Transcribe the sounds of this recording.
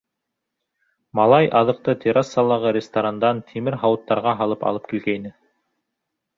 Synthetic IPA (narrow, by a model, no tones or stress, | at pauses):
mɑlˠɑjʔɑðɤ̆q̚t̪ɤt̪ʲʰeɾasːɑlˠːɑʁɤɾʲɪst̪ɐɾand̪ɑnt̪ʰimɘɾɦɑwɤ̆t̪ːɑɾʁɑɦɑlˠɤpɑ̰lˠɤp̚kilɡæjnɘ